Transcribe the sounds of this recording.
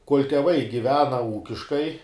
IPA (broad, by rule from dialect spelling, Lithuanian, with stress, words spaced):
koːlʲ tʲɛˈʋɐɪ ɡʲɪˈʋʲæːnɐ ˈuːkʲɪʃkɐɪ